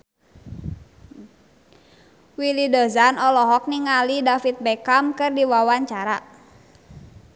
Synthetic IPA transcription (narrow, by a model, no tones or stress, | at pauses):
wilidɔzanɔlɔɦɔk̚niŋalidafit̪̚bɛkamkɨrdiwawaɲt͡ʃaɾa